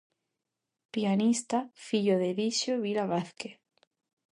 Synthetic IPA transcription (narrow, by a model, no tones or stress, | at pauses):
pianist̪afiʎoðeðiʃjoβilaβaθke